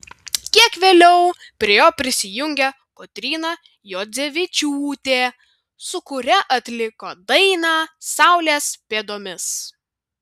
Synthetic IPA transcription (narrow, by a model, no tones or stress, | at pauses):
kʲiɛkʋʲeːlʲɛʊpʲɾʲiɛjoːpʲɾʲɪsʲɪjʊŋʲɡʲɛ | kot̪ʲɾʲiːnɑ | joːzʲeʋʲɪt͡ʃʲuːt̪ʲeː | sʊkʊɾʲɛʔɐt̪ʲlʲɪkoːd̪ɐɪnɑːsɑˑʊlʲeːspʲeːd̪oːmʲɪs